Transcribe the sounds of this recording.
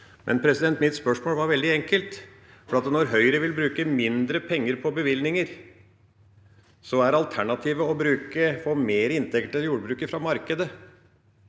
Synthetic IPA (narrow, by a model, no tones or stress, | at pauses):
mʔɛ̰npʰɾɛsɪd̪ɛnt̪mɪt̪spœʂmoːlʋɑɾʋɛld̪ɪɛŋkəlt̪ | fɔɾɑt̪nɔɾɦœʏəɾəʋɪlbɾʉːkəmɪnd̪ɾəpʰɛŋːəɾpʰɔbəʋɪlnɪŋəɾ | sɔæɾɑlt̪ʰæɳɑt̪ʰiːʋəɔbɾʉːkəfɔɾmeːɾɪnt̪ʰɛkt̪ɛljuːɾbɾʉːkəfɾɑmɑɾkəd̪ə